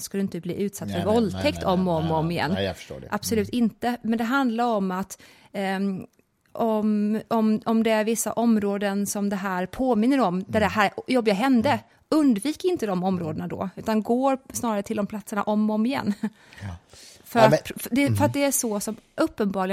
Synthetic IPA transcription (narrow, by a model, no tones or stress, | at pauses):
skad̪ɪɪnt̪əblḭːʔʉ̟ːt̪sat̪ːfœɾvɔlt̪ʰɛkt̪ʰɔmːɔmɔmɪjɛ̰nːfo̰ːʔa̰b̥sɔlʉːt̪ɪnt̪əmɛnd̪ɛɦand̪laɾɔmːat̪ | ɔmɔmɔmd̪ɛæɾvɪsːa̰ʔɔmɾoːd̪ənsɔmd̪ɛɦæːɾpʰoːmɪnːəɾɔmd̪æɖɛɦæːɾjɔbːɪɡaɦɛnd̪ə | ɵnd̪viːkəɾɪnt̪əd̪ɔmɔmɾoːd̪ənad̪ɔ̰ːʉ̟ːt̪anɡoːɾsnɑːɾaɾət̪ʰɪld̪ɔmpʰlat̪səɳa̰ʔɔmɔmɪjɛ̰nː | fœɾat̪ʰd̪ɛfœɾat̪̚d̪ɛæʂɔsɔmʔɵpːənbɑːɾɭɪ